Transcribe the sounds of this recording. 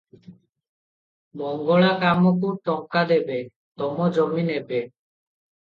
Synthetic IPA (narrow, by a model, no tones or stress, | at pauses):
mɔŋɡɔɭakamɔkuʈɔŋkad̪ebe | t̪ɔmɔd͡ʒɔminebe